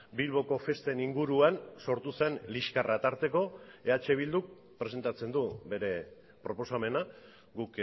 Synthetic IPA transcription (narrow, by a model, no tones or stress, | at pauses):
bilβo̞ko̞fe̞st̪e̞niŋɡuɾuanso̞ɾt̪use̞nliʃkarʔat̪aɾt̪e̞ko̞e̞at͡ʃe̞β̞ild̪uk̚ | pɾe̞s̬e̞nt̪at͡se̞nd̪ube̞ɾe̞ | pɾo̞po̞same̞na | ɡuk